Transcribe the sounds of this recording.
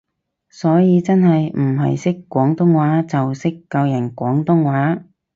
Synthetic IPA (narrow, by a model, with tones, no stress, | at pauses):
sɔː˨˥jiː˨˧t͡sɐ˥nɦɐ˨jm̩˨˩ɦɐ̰˨jsɪ˥kːʷɔː˨˥ŋt̪ʊ˥ŋwaː˨˥t͡sɐ˨wsɪ˥kːɐ˧wjɐ˨˩nkʷɔː˨˥ŋt̪ʊ˥ŋwaː˨˥